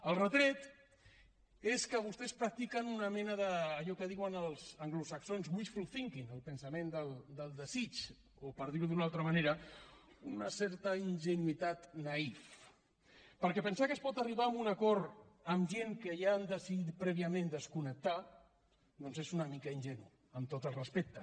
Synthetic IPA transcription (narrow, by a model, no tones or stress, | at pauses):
əlˠrət̪ɾɛt̪ | eskəβust̪ɛspɾak̚t̪ikənunəmɛnəðəːʎɔkəð̞iwənəlˠzəŋɡlusəksonzwisfulˠθiŋkinəlˠpənsəmend̪əlˠd̪əlˠd̪əzit͡ʃ | opəɾð̞iɾuðunalˠt̪ɾəmaneɾə | unəsɛɾt̪əinʒənuit̪at̪naif | pəɾkɛpənsakəspɔt̪əriβaəmbunəkɔɾəmʒeŋkəjaːnd̪əsiðit̪̚pɾɛβiəmẽnd̪əskunək̚t̪a | d̪onzezunəmikəinʲʒɛnṵ | əmt̪ot̪əlˠrəspek̚t̪ə